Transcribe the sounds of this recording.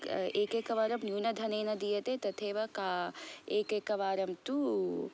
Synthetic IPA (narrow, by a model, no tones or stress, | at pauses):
eːkeːkɐʋaːɾɐmnuːnɐd̪ʱɐneːnɐd̪ijɐt̪et̪ɐt̪ʰeːʋɐkaːeːkeːkɐʋaːɾɐmt̪u